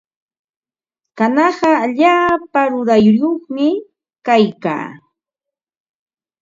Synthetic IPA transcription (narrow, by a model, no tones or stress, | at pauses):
kanɑɢɑaʎaːpaɾʊɾajjoχmɪ | kajka̰ː